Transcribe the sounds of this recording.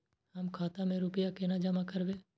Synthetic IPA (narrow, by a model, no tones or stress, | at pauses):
ɦɐmkʰaːt̪amẽɾupɪjakenad͡ʒəmakəɾʋeː